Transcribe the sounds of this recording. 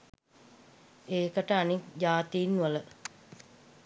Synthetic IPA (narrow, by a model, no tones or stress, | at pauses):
eːkəʈəanik̚d͡ʒaːt̪iːnːuʋələ